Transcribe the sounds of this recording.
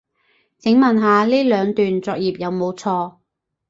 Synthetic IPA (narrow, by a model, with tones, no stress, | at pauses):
t͡sɪ˨˥ŋmɐ˨nɦaː˨˧liː˥lœː˨˧ŋt̪yː˨nt͡sɔː˧k̚jiː˨p̚jɐ˨˧wmo˨˧wt͡sʰɔː˧